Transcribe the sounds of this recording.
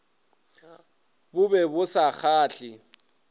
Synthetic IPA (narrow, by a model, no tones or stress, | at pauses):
bʊbɛbʊsak͡xʰaːɬɪ